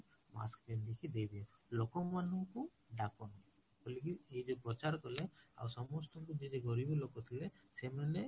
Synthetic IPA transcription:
ma̰skbind̪ikʰid̪ejbijalokɔmanuku | ɖakɔnaj | bɔlikiejd͡ʒɔpɾɔt͡ʃaɾkɔlea̰wɾsɔmɔst̪ɔŋkud͡ʒed͡ʒeɡɔɾibɔlɔkɔt̪ʰilesemane

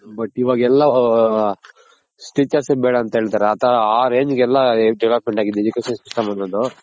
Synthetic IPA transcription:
bɐʈːiʋɐɡɛlːɐ | sʈiːt͡ʃɐɾsebɛːɽɐːnt̪ɐɦeːɭt̪aːɾeɐt̪ʰɐaːɾe̞ːɲd͡ʒɡɛlːɐɖɛʋlɐpmeɳʈaːɡid̪ed͡ʒukeːʃɐnsisʈɐmɐnːɐd̪u

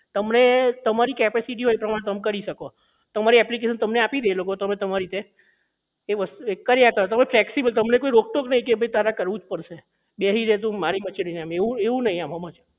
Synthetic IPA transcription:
t̪əmnet̪əmaɾikɛpesiʈ̬iɦojpɾəmaɽ̃ẽt̪əmkəɾiʃəko | t̪əmaɾiɛplik̬eʃənt̪əmneapid̪eɦelokot̪əmẽt̪əmaɾit̪e | eʋəst̪uekːəɾjakəɾot̪əmeflɛksibəlt̪əmnekoiɾok̚ʈoknəɦĩkebʱəit̪aɾakəɾʋũd͡ʒpəɾʃe | beɦiɾet̪̬ũmaɾimət͡ʃininameʋũeʋũnəɦĩamɦəmat͡ʃʰ

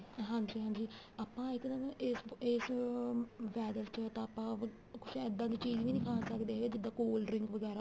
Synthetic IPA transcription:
ɦãːɲd͡ʒiːɦãːɲd͡ʒiː | aːpãːɪkd̪əneseːs | ʋɛːd̪əlt͡ʃət̪ãːaːpːãː | kʊt͡ʃʰɛːd̪ãːd̪iːt͡ʃiːd͡ʒʋĩːnɪkʰaːsəkd̪eːɦɛɡeːd͡ʒɪd̪ːãːkoːlɖɾɪŋkʋəɡɛːɾaː

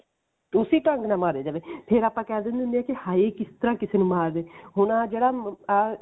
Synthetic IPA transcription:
ʊsiːʈə̃ŋɡnãːmaːɾeːd͡ʒaːʋeːpʰɪɾaːpãːkɛːld̪ɪ̃nd̪eɪʊnd̪eːɛːkɪhaːeːkɪst̪əɾãːkɪseːnũːmaːɾdeːɦʊnãːd͡ʒeːɽaː

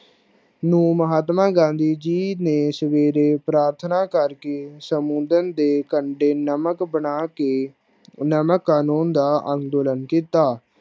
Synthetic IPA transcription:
nũːməɦaːt̪mãːɡãːnd̪iːd͡ʒiːneːsəʋeːɾeːpɾaːɾt̪ʰnaːkəɾkeːsəmũːnd̪ənd̪eːkəɳɖeːnəməkbəɳaːke | nəməkːaːnuːnd̪aːʔə̃ŋɡd̪oːlənkiːt̪aː

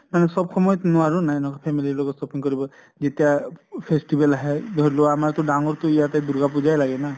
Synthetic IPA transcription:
manɛsɔbxʰɔmɔjɔt̪nʊaɹunajnɔkɔpʰɛmililɔɡɔtsɔpiŋkɔɹibɔ | zetijapʰesʈibɛlaɦɛd̪ʱɔɹilɔwaːmaɹtʊdaŋɔɹtʊijated̪uɹɡapuzajlaɡɛna

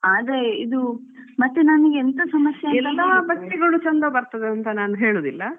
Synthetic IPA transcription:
aːd̪ɾeid̪umɐt̪ːenɐniɡeent̪ɐsɐmɐsjɐɛlɐd̪abɐkʈiɡɐɭut͡ʃɐnd̪ɐbɐɾt̪ɐd̪eɐnt̪ɐnaːnuɦeːɭoːd̪ilːɐ

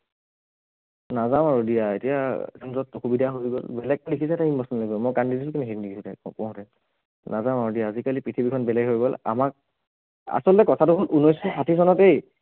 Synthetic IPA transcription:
nazamaɹudijaḛtijakʰɔnzɔtoxubidʱaɦojɡɔ̰lbɛlɛɡ̚tɔdekʰisɛɛtaimbasɔnloɡɔmɔkandidisukinɛɦinndiɡiutɛpɔ̃ɦũtɛ | nazamaɹudijaːzikalipɹitʰibikʰɔnbɛlɛɡɦojɡɔla̰mak̚ | a̰sɔltɛkɔtʰatʊbtunɔjsɔsatʰis̬ɔnɔtej

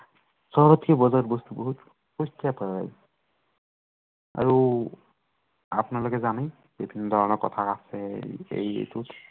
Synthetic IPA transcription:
sɔɹɔtiɔbɔzaɹbɔst̪ubɔɦut | pɔstijapaa̰j | a̰ɹu | a̰pnalɔkɛzanaj | bibʱinːɔdʱɔɹɔnɔɹkɔtʰakasɛḛjḛtut

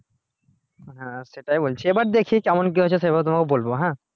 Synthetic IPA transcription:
ɦãseʈajbolt͡ʃʰiebaʈ̚d̪ekʰikamɔnk̬iɦot͡ʃʰɛsebat̪ʊmakubolbɔɦã

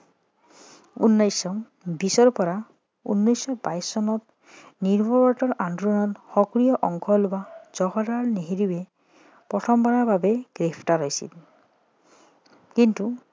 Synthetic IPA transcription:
ṵnːɔjsɔ | bisɔɾpɔɾa | ṵnːɔjsɔba̰jsːɔnɔt̪ | niɾbʱɔbɔʈɔɾʔandɾunɔt̪xɔkɾijɔʔɔŋkʰɔlbad͡ʒɔɦɔɾaɹneɦiɾibe | pɾɔtʰɔmbanabʱabeɡ̥ɾepʰʈaɾɔjsḭl | kint̪u

